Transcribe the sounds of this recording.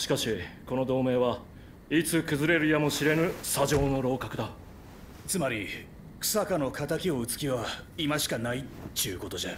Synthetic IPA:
ɕi̥kaɕiko̞no̞d̪o̞ːme̞ːβa | it͡sɨkɯ̟zɨɾe̞ɾɯ̟jamo̞ɕiɾe̞nɯ̟saʑo̞ːno̞ɾo̞ːkakɯ̟d̪a | t͡sɨmaɾʲi | kɯ̥sakano̞kʰat̪akʲio̞ɯ̟t͡sɨ̥kʲiβaimaɕi̥kanaiiɯ̟ko̞t̪o̞ʑe

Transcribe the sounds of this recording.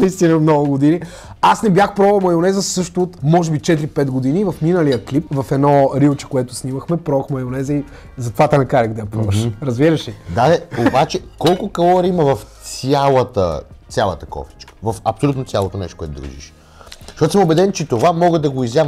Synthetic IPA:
nɐist̪inəmnɔɡʊɡod̪ini | asnɛbjaxpɾɔvɐlˠmɐjonɛzəsɤʃt̪ʊːt̪mɔʒɛbit͡ʃɛt̪̬ɾipɛt̪ɡod̪inivɐfminəlijəklipvɐfɛd̪nɔɾilˠt͡ʃɛ̥koɛt̪ʊsnimɐxmɛpɾɔvɐxmɐjonɛzəi | zɐt̪ovat̪ɛnɐkaɾʲɐkd̪ɐjɐpɾɔvɐʃɾɐzbiɾəʃid̪ad̪ɛobat͡ʃɛkɔlˠkʊkɐlˠɔɾiməvɐftt̪sʲjalˠət̪ə̰t̪sʲjalˠɐ̰t̪əkɔ̰ft̪i̥t͡ʃkə̥vɐfɐpsolut̪not̪sʲalˠot̪onɛ̰ʃt̪okwɛ̰t̪ʊ̰d̪ɾṵʒḭʃ | ʃt̪ɔt̪o̥səmobɛd̪ɛnt͡ʃɛt̪ovamɔɡəd̪ɐɡoizjavə

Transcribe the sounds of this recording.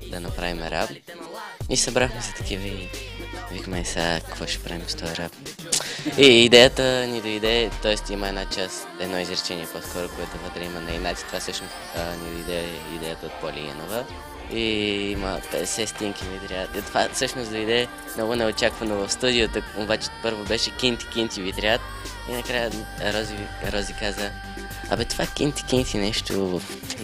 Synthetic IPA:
d̪ɐnɐpɾavimɛɾa̰bn | isɐbɾaxmɛsɛ̥t̪ɐ̥k̟ivəi | vikmɛsa̰kɐ̥kvɔʃɛ̥pɾa̰vimst̪ɔɾab | iːd̪ɛjət̪ənid̪oid̪ɛt̪ɔɛst̪iməɛnat͡ʃas | ɛd̪nɔizɾɛt͡ʃɛniɛposkɔɾokoɛt̪ʊvət̪ɾɛimənɐinat̪i̥t̪ovasɤʃnost̪ənid̪oid̪ɛ | ḭd̪ɛjət̪əot̪̚polʲḭɛ̰novə | iiməpɛd̪ɛsɛst̪iŋkʲinit̪ɾʲiat̪it̪ovasɤʃnosd̪oid̪ɛ | nɔɡʊnɛot͡ʃakvɐnovɐfst̪ud̪iot̪əobat͡ʃɛ̥pɤɾvobɛʃɛkʲint̪ʲi̥kʲint̪ʲivit̪ɾʲiat̪ | inɐkɾajəɾɔzi | ɾɔzikazə | ɐ̰bɛt̪ovakʲint̪ʲi̥kʲint̪ʲinɛʃt̪ovf

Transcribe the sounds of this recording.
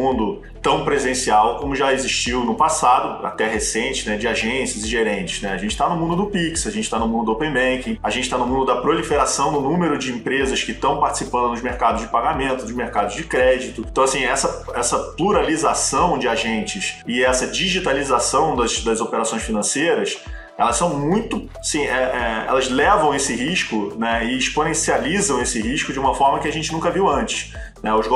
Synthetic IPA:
ũnd̪ʊ | t̪ɐ̃w̃pɾezẽsiawkõmʊʒaeziʃt͡ʃiwnʊpasad̪ʊa̰t̪ɛɦesẽnt͡ʃɪ̥nɛd͡ʒɪaʒẽsɐzɪʒeɾẽnt͡ʃɪ̥znɛaʒẽnt͡ʃɪ̥t̪anʊmũnd̪ʊd̪ʊpiksaʒẽt͡ʃɪ̥t̪anʊmũnd̪ʊd̪opẽj̃bẽjkĩaʒẽnt͡ʃɪt̪anʊmũnd̪ʊd̪ɐpɾolifeɾasɐ̃w̃nʊnũmeɾʊd͡ʒɪĩmpɾezɐskɪt̪ɐ̃w̃paɾt͡ʃɪ̥sipɐ̃nd̪ʊnʊzmeɾkad̪ʊzd͡ʒɪpaɡamẽnt̪ʊd̪ʊʒmeɾkad̪ʊzd͡ʒɪkɾɛd͡ʒit̪ʊt̪ɐ̃w̃asĩɛsɐɛsɐpluɾalizasɐ̃w̃d͡ʒɪaʒẽnt͡ʃɪsɪɛsɐd͡ʒiʒit̪alizasɐ̃w̃d̪ɐʃd̪ɐzopeɾasõj̃ʃfinɐ̃sejɾɐs | ɛ̰lɐʃsɐ̃w̃mũj̃t̪ʊ | asĩɛʔɛɛ̰lɐzlɛvɐ̃w̃esɪɦiʃkʊnɛɪːʃponẽsializɐ̃w̃esɪɦiʃkʊd͡ʒɪũmɐfɔɾmɐkɪaʒẽnt͡ʃɪnũkɐviwɐ̃nt͡ʃɪ̥ʃ | nɛʊzɡ

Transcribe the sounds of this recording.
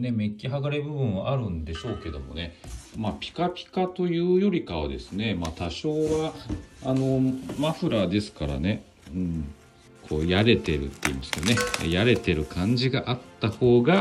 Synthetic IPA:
ne̞me̞kʲːiɦaɡaɾebɯ̟bɯ̟̃ɰ̃βaʔaɾɯ̟̃nd̪e̞ɕo̞ːke̞d̪o̞mo̞̰ne̞mapʲi̥kapʲi̥kat̪o̞jɯ̟ːjo̞ɾʲikaβa̰d̪e̞̰sɨne̞maːt̪aɕo̞ːβaːno̞maɸɯ̟ɾad̪e̞sɨ̥kaɾa̰ne̞ | ɯ̟̃ɴ | kʰo̞̰ːjaɾe̞t̪e̞ɾɯ̟̰t̪ːe̞ḭmasɨ̥keonḛjaɾe̞t̪e̞ɾɯ̟kʰãɲ̟d͡ʑiɡaʔat̪ːaho̞ːɡa

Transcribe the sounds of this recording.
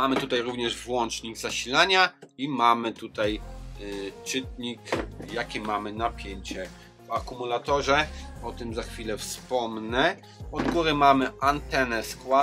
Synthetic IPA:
mamɘt̪ut̪ajɾuvɲɛʐvwɔnt͡ʂɲiɡzaɕilaɲaimamɘt̪ut̪aj | t͡ʂɘt̪̚ɲikjakʲɛmamɘnapʲjeɲt͡ɕɛ | vakumulat̪ɔʐɛɔt̪ɘmzaxfʲilɛfspɔmnɛ | ɔd̪ɡuɾɘmamɘʔant̪ɛnɛskwa

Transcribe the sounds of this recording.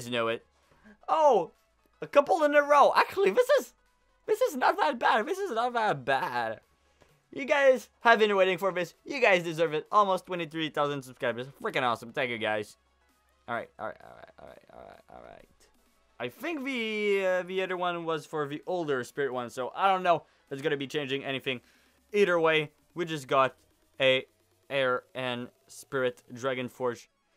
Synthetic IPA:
znoʊɪt̚ | oʊ | əkʌpl̩ˠə̃nəɹoʊʔæ̰k̚t͡ʃul̩ˠiðɪsɪz | ðɪsɨznət̪̚ðət̚b̥ædðɪsɨznət̚ðət̚b̥æd̥ | jɨɡaɪz̥ | hɨvɪ̃nə˞weɪɾɪ̃ŋfə˞ðɪsjɨɡaɪzdɨzɜ˞vɨɾʔɔlˠmoʊstʰw̥ɛ̃ɾ̃iθɹiθaʊzɨ̃nzʌv̥skaɪbəzfɹɪkɨ̃ñɔsə̃mtʰæ̃kjɨɡaɪz̥ | ʔlˠɹa̰ɪt̚ɔ̰lˠɹa̰ɪtɔ̰lˠɹa̰ɪtɔ̰lˠɹa̰ɪtɔ̰lˠɹa̰ɪtɔ̰lˠɹa̰ɪt̚ | aɪθɪ̃ŋkvɨʌviɛɾə˞wʌ̃nwʌz̥fə˞ðiʔoʊlˠdə˞spɪɹɨt̚wʌ̃nsoʊʔa̰ɪɾõʊ̃nːoʊ | ðɨtsɡʌnɨbit͡ʃʰẽɪ̃nd͡ʒɪ̃ŋɛñiθɪ̃ŋ | iɾə˞weɪ | wid͡ʒʌs̬ɡ̥ɑɾ | ɨ | ɛɹʔɨ̃n | spɪɹɨtdɹæɡɨ̃nfɔɹʃ

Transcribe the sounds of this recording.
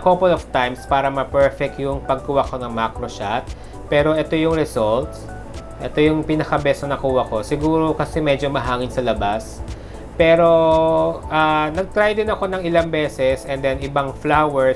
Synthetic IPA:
kopolov̥t̪ajmspaːɾɐmɐpɛɹfɛk̪̚jʊŋpɐɡ̚kʊwako̞nɐŋmakɾoʃat̪̚ | pɛːɾo̞ʔɛt̪o̞jʊŋɾɛsolt̪ | ʔɛt̪o̞jʊŋpinɐkɐbɛsonɐkuːwɐko̞sɪɡuːɾo̞kɐsɛmɛd͡ʒomɐɦaːŋɪnsɐlɐbas | pɛːɾo̞ | ʔanɐɡ̚t̪ɾajd̪ɪnɐko̞nɐŋɪlaŋbɛːsɛsɛnd̪ɛnɪbaŋflawɛɹ

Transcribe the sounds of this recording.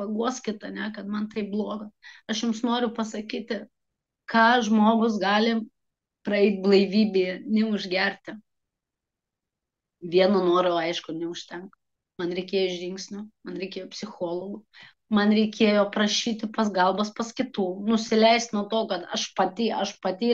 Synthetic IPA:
pɐɡuɔsʲkʲɪt̪ɐnʲɛkɐt̪mɐnt̪ɐɪp̚blˠoːɡɐɐʃjʊmsnoːɾʲʊpɐsɐkʲiːt̪ʲɪ | kɑːʒmoːɡʊs̬ɡɑːlʲɪ | pɾɐɛɪt̪̚ʲblˠɐɪʋʲiːbʲeːɛnʲɛʊʒʲɡʲɛrʲt̪ʲɪ | ʋʲiɛnonoːɾoɐɪʃkʊnʲɛʊʃʲt̪ʲɛŋk | mɐnɾʲɛɪkʲeːjoɪʒʲʒʲɪŋksʲnʲʊmɐnɾʲɛɪkʲeːjoːpʲsʲɪxoːlˠoɡʊ | mɐnɾʲɛɪkʲeːjoːpɾɐʃʲiːt̪ʲɪpɐsɡɐlˠbɐspɐskʲɪt̪uːnʊsʲɪlʲɛɪst̪nuɔt̪oːkɐt̪ɐʃpɑt̪ʲiːʔɐʃpɐt̪ʲiː

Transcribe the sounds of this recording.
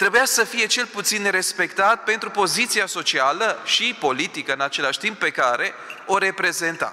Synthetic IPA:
t̪ɾe̞bujasəfije̞t͡ʃe̞lput̪sinːeɾe̞spe̞kt̪at̪̚pe̞nt̪ɾupo̞zit̪siaso̞t͡ʃialəʃipo̞lit̪ikəɨnat͡ʃe̞laʃʲt̪imp̚ːe̞kaɾe̞o̞ɾe̞pɾe̞ze̞nt̪a̰

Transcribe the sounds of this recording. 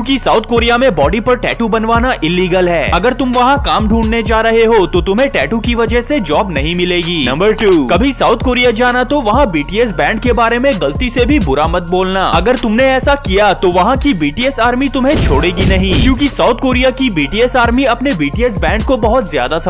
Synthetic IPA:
jũːkisaːʊt̪̚ʰkoːɾijamẽbɔːɖipɐɾʈɛːʈubɐnʋaːnaʔɪlːiːɡəlɦɛːɐɡəɾt̪ʊmʋɐɦãkaːmɖʱũːɳɖned͡ʒaːɾɐɦeɦot̪ot̪ʊmɦẽʈɛːʈukiʋɐd͡ʒəɦsed͡ʒɔːbnɐɦĩmɪleːɡiːnɐ̃mbəɾʈuːkɐbʱisaːʊt̪ʰkoːɾijad͡ʒaːnat̪oʋɐɦãbiːʈiːɛsbɛ̃ːɳɖ̚kebaːɾemẽɡɐlt̪isebʱibʊɾamɐt̪̚boːlnaːɐɡəɾt̪ʊmneɛːsakijat̪oʋɐɦãkibiːʈiːɛsaːɾmit̪ʊmɦẽt͡ʃʰoːɽeːɡinɐɦĩkjũːkisaːʊt̪ʰkoːɾijakibiːʈiːɛsaːɾmiɐpnebiːʈiːɛsbɛ̃ːɳɖ̚kobɐɦɔt̪zja̰ːd̪asɐ

